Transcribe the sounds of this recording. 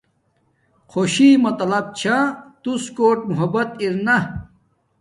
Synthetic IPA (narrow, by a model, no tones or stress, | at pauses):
qʰoɕimɐt̪ɐlɐb̚t͡ɕʰat̪uskoːʈ̚muɦɐbɐt̪iɾnɐ